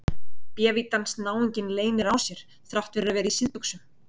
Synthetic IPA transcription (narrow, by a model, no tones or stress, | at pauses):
pjɛːvit̪ansnaːwiɲcɪnleːjnɪɾawsjɛɾ̥ | θɾawht̪vɪɾðavɛːɾaisɪðpʏksʏm